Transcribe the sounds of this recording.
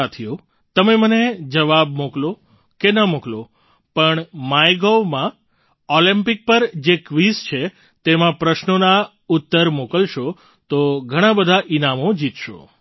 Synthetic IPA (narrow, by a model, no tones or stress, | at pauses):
at̪ʰijo | t̪əmeməned͡ʒəʋabmuklo | kenəmuklo | pəɳmajɡoʋmã | ɔlĩmpɪk̚pəɾd͡ʒekʋist͡ʃʰe | t̪emãpɾəʃnona | ut̪ːəɾmokəlʃo | t̪oɡʱəɽ̃ãbəd̪ʱaʔinamõd͡ʒit̪ʃo̰